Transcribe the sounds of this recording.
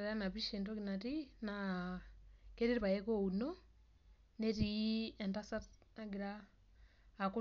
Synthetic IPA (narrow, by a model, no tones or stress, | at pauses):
ɾanaβiʃintokinatina | keɾiɾiβajɛkouno | neɾiɛntasanaɡiɾaː | ku